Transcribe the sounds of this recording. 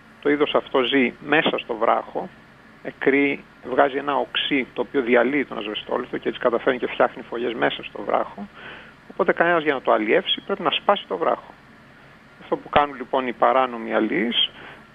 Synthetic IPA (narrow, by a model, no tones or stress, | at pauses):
t̪o̞iðo̞sɐft̪o̞zime̞sɐst̪o̞vɾʔɐ̰xo̞ | ekɾi | vɣɐzie̞nɐoksit̪o̞ːpioðiɐliːt̪o̞nɐ̰zvest̪o̞̰loθoceet͡si̥kɐt̪ɐfe̞ɾnicefçɐxnifo̞ʝe̞zme̞sɐst̪o̞̰vɾɐ̰xo̞ | opo̞t̪e̞kɐne̞nɐzʝɐnɐt̪oɐlie̞fsi̥pɾepinɐspɐsi̥t̪o̞vɾɐ̰xo̥ | ɐft̪o̞pukɐnunlipo̞nipɐɾɐno̞miɐlis